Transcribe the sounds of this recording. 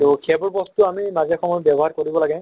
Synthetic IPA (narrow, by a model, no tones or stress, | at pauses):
tʊkʰɛbɔɹbɔstuamimazɛxʰɔmɔjbɛbɔɦaɹkoɹibɔlaɡɛ